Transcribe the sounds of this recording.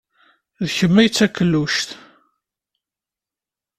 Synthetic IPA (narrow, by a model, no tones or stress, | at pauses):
ðçəmːæjt͡sːækːəlːuʃθ